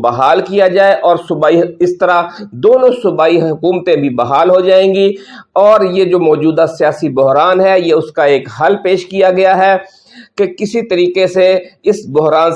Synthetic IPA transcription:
bɐɦaːlkijad͡ʒaːeʔɔːɾsʊbaːiɪst̪ɐɾad̪oːnõsʊbaːiɦʊkuːmət̪ẽbʱibɐɦaːlɦod͡ʒaːẽːɡi | ɔːɾjed͡ʒoːmɔːd͡ʒuːd̪asijaːsibʊɦɾaːnɦɛjeʊskaeːkɦɐlpeːʃkijaɡɐjaɦɛ | kekɪsit̪ɐɾiːqeseɪsbʊɦɾaːn

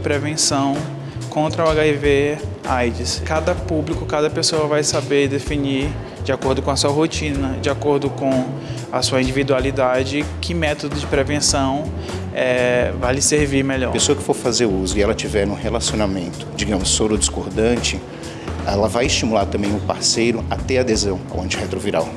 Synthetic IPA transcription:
pɾevẽsɐ̃w̃ | kõnt̪ɾɐuaɡaive | ajd͡ʒɪskad̪ɐpublikʊkad̪ɐpesoɐvajsabeɾd̪efiniɾ | d͡ʒɪakoɾd̪ʊkõɐsuɐɦot͡ʃĩnɐd͡ʒɪakoɾd̪ʊkõ | ɐsuɐĩnd͡ʒivid̪ualid̪ad͡ʒɪkʰɪmɛt̪od̪ʊd͡ʒɪpɾevẽsɐ̃w̃ | ɛvajlɪseɾviɾmeʎɔ̰pesoɐkɪ̥foɾfazeɾuzʊiɛlɐt͡ʃivɛɾnũɦelasionamẽnt̪ʊ̥d͡ʒiɡɐ̃mʊsːobɾʊd͡ʒiskoɾd̪ɐ̃nt͡ʃɪ | ɛlɐvajist͡ʃimulaɾt̪ɐ̃mbẽj̃ʊpaɾsejɾʊat̪ɛad̪ezɐ̃w̃a̰wɐ̰̃t͡ʃihet̪ɾoviɾa̰w

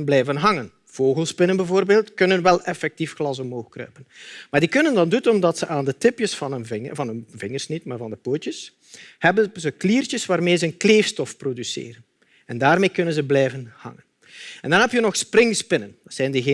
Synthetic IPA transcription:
nblɛjvənɦɑŋən | v̥oːɣəlˠspɪnənbɛvoːrbeːlˠtkɵnənʋɛlˠɛfɛk̚tifxlɑsɔmoːxkrœ̰ɥpənmaːrdikɵnəndɑndutɔmdɑtsəʔaːndətɪpjəsfɑnənvɪvɑnɵnvɪŋərsnitmaːrvɑndəpoːtjəs | hɛbəzəkliːrtəsʋaːrmeːzəənkleːfstɔfprodysḛːɾən | ɛndaːrmeːkɵnənzəblɛjvənhɑ̰ŋən | ɛndɑnɦɛpjənɔxsprɪŋspɪnəndɑtsɛjndəɣ

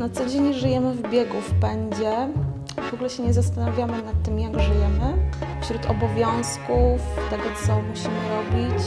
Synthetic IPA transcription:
nat̪sɔd͡ʑeɲʐɘjɛmɘvbʲjɛɡufpɛɲd͡ʑɛ | vɔɡulɛɕɛɲɛzas̬t̪anavʲjamɘnat̪ːɘmjaɡʐɘjɛmɘfɕɾut̪ɔ̰bɔvʲjɔ̃w̃skuft̪ɛɡɔt̪sɔmuɕimɘɾɔbʲit͡ɕ

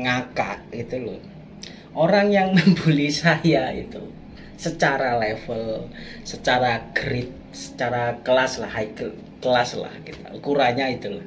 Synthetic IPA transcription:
ŋakaʔɡit̪uluh | ʔoɾaŋjaŋməmbulisajaḭt̪u | sət͡ʃaɾalefəl | sət͡ʃaɾaɡ̥əɾɪt̪̚ | sə̥t͡ʃaɾakəlaslahaik | kəlasla̰hkit̪a̰kuɾaɲait̪ulah

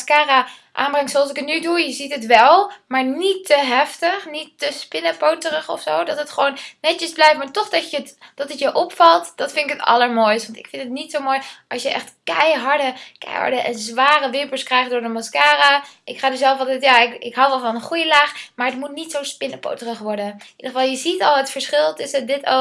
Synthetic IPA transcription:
skaːra | ʔa̰ːnbrɛŋktsoɑlˠs̬ɪkətnydujəzitɦətʋɛlˠmaːɹnitːəɦɛftəχnitːəspɪnəpowtərəχɔ̰fsowdɑtɦətχəʋownnɛtəzblɛjftmaːɹtɔχdɑcətd̥ɑtətjəʔɔpfɑlˠtd̥ɑtfɪntɪkətɑ̰ləɹmojstʋɑntɪkfɪntətnitsowmoːjʔɑlsjəʔɛ̰χtkɛjɦɑɹdəkɛ̰jɦɑ̰ɹdəʔɛnzʋaːrəʋɪpəlskrɛjχdʊːɹdəmɔskaːraʔɪkχaːdəzɛlˠfɑlˠtɛtjaːɪkɪkɦɑwʋɛlˠvɑnənχujəlaːχmaːɹətmut̚nitsowspɪnəpo̰wtərəχʋɔɹdənʔidəχəvɑlˠjəzitɑlˠɦətfəɹsχɪlˠtəsədɪto̰

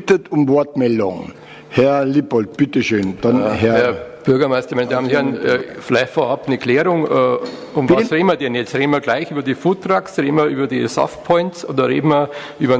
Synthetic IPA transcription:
tətʊmvɔɐtmɛldʊŋ | hɛɐlipɔlt̚b̥ɪtəʃøːnd̥ɑnhɛɐhɛɐb̥ʏɐɡɐmaɪstɐmaɪnɪdaːmnhɛɐnɛfɪlaɪçtfoːɐɑpnəkʰlɛːɾʊŋʔɛː | ʊmɑsʁeːdn̩miɐdɛnjɛt͡sʁeːdn̩miɐɡlaɪçʔyːbɐdiːfutʁaːksʁeːdn̩miɐʔyːbɐdisɔ̰ft̚pʰɔʏntsʔo̰ːdɐʁḛːdn̩miɐʔyːbɐ

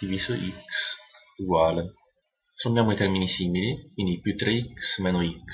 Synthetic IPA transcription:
iviːzoʔiks | uɡwaːle | sombjaːmoit̪ɛɾminisiːmilikwind̪ipjut̪ːɾeiksmɛːnoiks

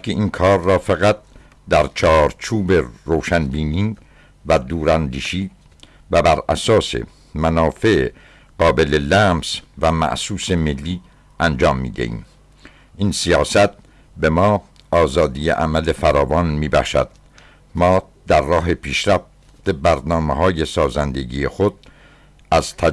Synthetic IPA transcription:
kʰeinkʰɒːɾːɒːfæɣæt̪̚ | d̪æɾt͡ʃʰɒːɾt͡ʃʰuːbeɾoːʃænbiːniː | væd̪uːɾænd̪iːʃiː | væbæɾæ̰sɒːse̞̰ | mænɒːfe̞ʔe | ɢ̥ɒːbe̞lelæmsvæmæ̰ʔsuːsemelːiː | ʔænd͡ʒɒːmːḭːd̪ḛʔḭːm | ʔinsijɒːsæt̪̚ʰ | be̞mɒː | ʔɒːzɒːd̪ijeʔæmæle̞fæɾɒːvɒːnmiːbæ̰χʃæ̰d̪̥̚ | mɒː | d̪̥æɾːɒːɦepʰiːʃɾæf | t̪e̞bæɾnɒːmeɦɒːje̞sɒːzænd̪e̞ɡiːjexod̪̥̚ | æz̥t̪ʰæ

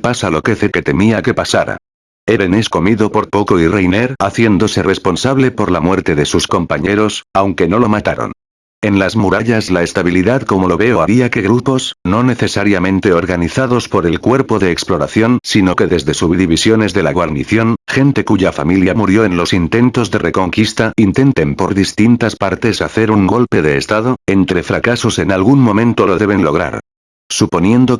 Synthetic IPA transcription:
pasalo̞keθeke̞t̪e̞miake̞pasaɾa̰ | e̞βene̞sko̞miðo̞po̞ɾpo̞ko̞irejneɾaθje̞nd̪o̞se̞re̞spo̞nsaβle̞po̞ɾlamwe̞ɾt̪e̞ðe̞susko̞mpaɲe̞ɾo̞sawŋke̞no̞lo̞mat̪aɾo̰n | e̞nlazmuɾaʎazlaest̪aβ̞iliðaðko̞mo̞lo̞βe̞o̞aβiake̞ɣɾupo̞sno̞ne̞θe̞saɾjamẽ̞nt̪e̞o̞ɾɣaniθaðo̞spo̞ɾe̞lkwe̞ɾpo̞ðe̞ːksplo̞ɾaθjo̞nsino̞ke̞ðe̞zðe̞suβiðiβisjo̞ne̞zðe̞laɣwaɾniθjo̞nxe̞nt̪e̞kuʝafa̰miljamuɾjo̞ẽ̞nlo̞sint̪e̞nt̪o̞zðe̞re̞ko̞ŋkist̪aint̪e̞nt̪e̞mpo̞ɾðist̪int̪aspaɾt̪e̞saθe̞ɾuŋɡo̞lpe̞ðe̞ːst̪aðo̞e̞nt̪ɾe̞fɾakaso̞se̞nalɣunmõ̞mẽ̞nt̪o̞loðe̞βe̞nlo̞ɣɾa̰ɾ | supo̞nje̞nd̪o̞

